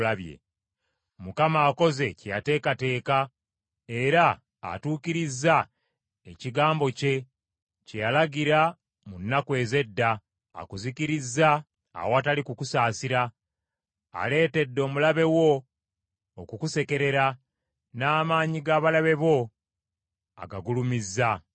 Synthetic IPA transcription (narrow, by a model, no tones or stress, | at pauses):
laβjḛ | mukamaːko̞ze̞ceja̰te̞ːkate̞ːka | e̞ɾa̰ː | tuːkiɾizːa | eciɡaːmbo̞ce̞ | cejalaɡiɾa | munːakwe̞ːze̞dːa̰ː | kuzikiɾizːa̰ː | watalikukusaːsiɾa | a̰le̞ːte̞dːo̞ːmulaβe̞wo̞ː | kukuse̞ke̞ɾe̞ɾa | naːmaːɲiɡaːβalaβe̞βo̞ | a̰ɡaɡulumizːa